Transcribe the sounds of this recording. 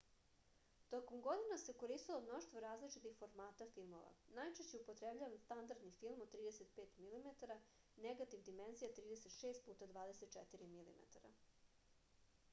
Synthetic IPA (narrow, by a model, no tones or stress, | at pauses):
t̪o̞komɡo̞d̪inaseko̞ɾist̪ilˠomno̞ʃt̪voɾaːzlit͡ʃit̪ixfo̞ɾmaːt̪afilˠmo̞ʋa̰najt͡ʃeʃt͡ɕeupo̞t̪ɾebʎaʋanst̪and̪aɾd̪nifilˠmod̪t̪ːɾiːd̪eset̪̚peːt̪milimet̪aɾa | neɡat̪iʋd̪ime̞nzijat̪ɾiːd̪eset̪ʃeːst̪̚puːt̪ad̪ʋaːd̪e̞set̪t͡ʃet̪iɾimilḭmḛt̪aɾa̰